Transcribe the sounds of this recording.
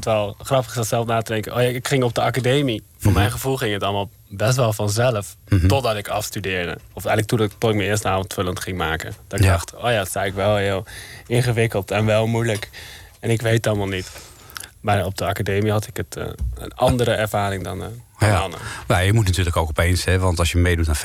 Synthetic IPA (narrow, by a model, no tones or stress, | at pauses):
tʋɛlˠχrɑpəχɪsɑtsɛlˠfnaːtədɛŋkənʔoːjaɪkχɪŋɔb̚dəakadejmi | v̥ʊːɹmɛjnχəvulˠχɪŋətɑlˠmaːlˠ | bɛstʋɛlˠfɑnzɛləftɔdɑtɪkɑfstydɪːɹdə̰ɔfɛjnlək̚tutɔtɪk̚mənɪːɹstəaːvɔntføləntχɪŋmaːkə̰nd̥ɑtɪɡdɑχto̰ːjaːdətsɛəkʋɛlˠɦɪːlˠɪnχəʋɪkəlˠtɛnʋɛlˠmujlək | ɛnɪkʋejtɑlˠmaːlˠnit | maːɹɔb̚dəɑkadejmiɦɑtɪkətə̰nɑndəɾəɛɹvaːɾɪŋdɑnɑnə̰najəmutnatyːɹləkowkɔpejnsɛʋɑntɑsjəmejdutna